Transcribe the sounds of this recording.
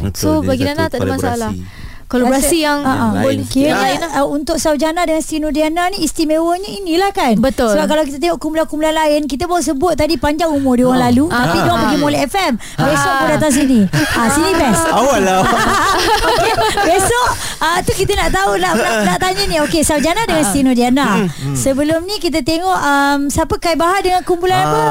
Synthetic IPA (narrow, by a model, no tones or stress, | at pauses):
sobaɡinanat̪adamasaalah | kolabɾasijaŋaʔabolkiɾənaəunt̪ʊk̚sawd͡ʒanadəŋanst̪inodiananĩːst̪imewəɲəinĩlahkanbət̪osəbap̚kalawk̬it̪ət̪eŋɔʔkumbulankumbulanlaɪnk̬it̪̬əbaus̬əbʊt̪̚ːadipaɲd͡ʒaŋumʊrdioɣaŋlalut̪at̪idoaŋpəɡimolɛɛfɛm | besɔʔpədat̪̬aŋs̬inĩasinipɛsawala | kebesɔʔ | ət̪ukit̪ənaʔt̪aunaʔnanaʔt̪aɲənĩokesawd͡ʒanadəŋanst̪inodianasəbəlʊmnĩkit̪̬ət̪eŋɔʔəmsapəkajbaɦaʔ̪̚dəŋankumpulanapə